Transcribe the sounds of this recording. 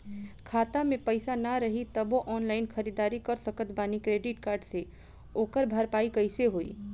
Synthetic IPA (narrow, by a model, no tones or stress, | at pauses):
kʰaːt̪amẽpɐɪsanɐɾɐɦit̪ɐboʔɔːnlaːɪnxɐɾid̪aːɾikɐɾsəkət̪baːnikɾeːɖɪʈkaːɾɖse | oːkəɾbʱɐɾpaːikɐɪseɦoːḭː